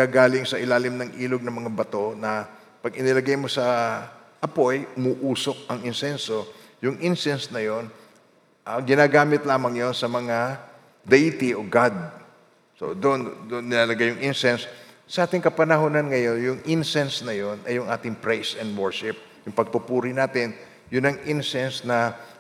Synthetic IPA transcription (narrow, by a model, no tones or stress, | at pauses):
ɡaɡaːlɪŋsɐʔɪlaːlɪmnɐŋʔiːlo̞ɡ̚nɐmɐŋabɐt̪o̞nɐ | pɐɡɪnɪlɐɡajmo̞sɐ | ʔɐpo̞jʔʊmuʔuːso̞k̚ɐŋɪnsɛnso̞ | jʊŋʔɪnsɛnsnɐjo̞n | ʔɐŋɡɪnaːɡaːmɪt̪̚laːmɐŋjo̞nsɐmɐŋa | d̪ejt̪iʔoɡad̪̚ | so̰d̪ond̪onːɪnalɐɡajʊŋʔɪnsɛnsːɐʔaːt̪ɪŋkɐpɐnɐɦonɐnŋɐjo̞njʊŋʔɪnsɛnsnɐjo̞nɐjːʊŋʔaːt̪ɪŋpɹɛjsɛnd̪wɛɹʃɪp̚ | jʊŋpɐɡ̚pʊpuːɾɪnaːt̪ɪn | jʊnɐŋʔɪnsɛnsnɐ